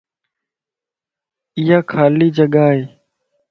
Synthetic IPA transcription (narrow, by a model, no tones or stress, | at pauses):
ɪjaːkʰaːliːd͡ʒəɠaːɦeː